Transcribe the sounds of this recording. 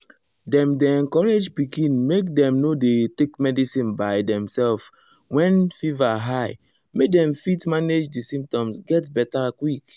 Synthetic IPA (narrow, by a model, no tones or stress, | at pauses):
dɛ̃mdeɛ̃ŋkɔɹed͡ʒpikĩnmek̚dɛ̃mnodetekmɛdisĩnbajdɛ̃msɛlf | wɛ̃nfivaɦaɪ | mek̚dɛ̃mfitmaned͡ʒdisĩmp̚tɔ̃msɡɛtbɛtakwik